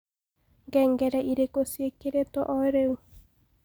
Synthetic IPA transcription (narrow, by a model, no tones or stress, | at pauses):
ŋɡɛŋɡɛɾɛʔiɾekosiekeɾet̪ɔʔɔɾeu